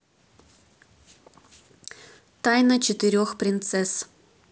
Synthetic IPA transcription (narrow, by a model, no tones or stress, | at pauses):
t̪ajnət͡ɕet̪ɨɾʲoxpɾʲint̪sɛs